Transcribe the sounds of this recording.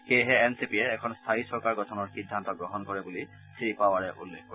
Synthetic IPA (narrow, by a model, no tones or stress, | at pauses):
xejɦɛːnsipiɛːkʰɔnst̪ʰaisɔɹkaɹɡɔtʰɔnɔɹxidʱːantɔɡɹɔɦɔnkɔɹɛbuli | siipawaɹɛʔulːekkɔ